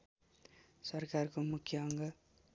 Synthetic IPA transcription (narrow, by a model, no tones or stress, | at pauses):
sʌrkarkomukʰjʌʌŋɡʌ